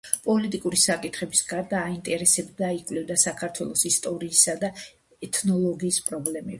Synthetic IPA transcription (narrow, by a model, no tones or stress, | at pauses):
pʼɔlit̪ʼikʼuɾisakʼit̪ʰχɛbisɡaɾd̪aːint̪ʼɛɾɛsɛbd̪aikʼwlɛvd̪asakʰaɾt̪ʰwɛ̰lˠɔsist̪ʼɔɾiːsad̪a | ɛt̪ʰnɔlˠɔɡiːspʼɾɔblɛmɛb